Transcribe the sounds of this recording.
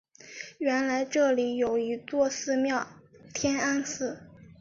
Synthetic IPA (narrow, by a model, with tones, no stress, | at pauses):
ɥɛ˧˥nla˧˥ɪʈ͡ʂɤ˥˩li˧˥jo˨˩ʊy˧˥t͡swɔ˥˧sɹ̩˥˧mjɑ˥˩ʊt̪ʰjɛ˥na˥nsɹ̩˥˩